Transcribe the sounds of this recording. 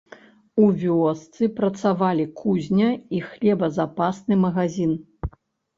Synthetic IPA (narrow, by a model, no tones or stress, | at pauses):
uvʲɔst̪sɨpɾɐt̪savalʲikʰuzʲnʲɐixlʲɛbɐzapasnɨmɐɣazʲin